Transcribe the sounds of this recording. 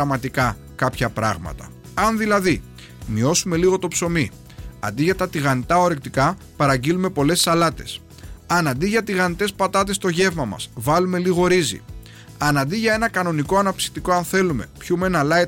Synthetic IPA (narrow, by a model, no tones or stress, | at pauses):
ɐmɐt̪ikɐ | kɐpçɐpɾɐ̰ɣmɐ̰t̪ɐ̰ | ɐnðilɐði | mio̞sume̞liɣo̞t̪o̞pso̞mi | ɐ̰nd̪iʝɐt̪ɐt̪iɣɐnit̪ɐo̞ɾek̚t̪ikɐ | pɐɾɐɲɟilume̞po̞le̞sːɐlɐt̪e̞s | ɐnɐnd̪iʝɐt̪iɣɐnit̪e̞spɐt̪ɐt̪̬e̞st̪o̞ʝe̞vmɐmɐ̰svɐlume̞liɣo̞ɾizḭ | ɐnɐnd̪iʝɐe̞nɐkɐno̞nikoɐnɐpsi̥xt̪iko̞ɐnθe̞lume̞̰pçume̞nɐlɐi